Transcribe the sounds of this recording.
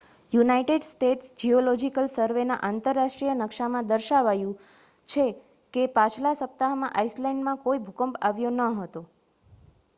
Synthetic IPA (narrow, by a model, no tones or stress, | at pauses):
junaiʈeɖsʈeʈsd͡ʒiolɔd͡ʒikəlsəɾʋena̰ʔant̪əɾːaʃʈɾijənəkʃamãd̪əɾʃaʋajũ | t͡ʃʰe | kepat͡ʃʰlasəp̚t̪aɦmãʔaislɛ̃ɳɖmãkoibʱukəmpaʋjonəɦət̪o